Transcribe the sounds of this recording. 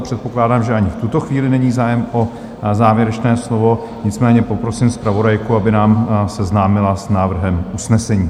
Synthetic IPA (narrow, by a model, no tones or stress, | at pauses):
pr̝̥ɛt̪̚po̞klaːdaːmʒɛʔaɲɪft̪ut̪o̞xviːlɪnɛɲiːzaːjɛmʔo̞ | zaːvjɛɾɛt͡ʃnɛːslo̞vo̞ | ɲɪt͡smɛːɲɛpo̞pɾo̞siːmspɾavo̞dajkuabɪnaːmsɛznaːmɪlasnaːvr̩ɦɛmʔusnɛsɛɲiː